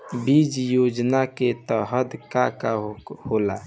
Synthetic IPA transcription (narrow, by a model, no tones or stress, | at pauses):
bid͡ʒjoːd͡ʒnaket̪əɦəd̪kakahola